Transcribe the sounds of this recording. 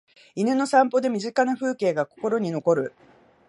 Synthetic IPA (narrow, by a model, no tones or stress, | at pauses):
inɯno̞sãmpo̞d̪e̞mʲiʑɨkanaɸɯ̟ːke̞ːɡako̞̥ko̞ɾo̞ɲ̟ino̞ko̞ɾɯ̟